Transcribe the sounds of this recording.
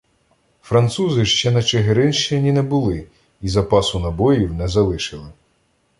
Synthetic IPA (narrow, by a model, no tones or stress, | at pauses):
fɾɐnt̪suzɪʃt͡ʃɛnɐt͡ʃeɦeɾɪnʃt͡ʃenʲinɛbʊlˠɪ | izɐpɑsʊnɐbɔjiwnɛzɐlˠɪʃɪlˠɪ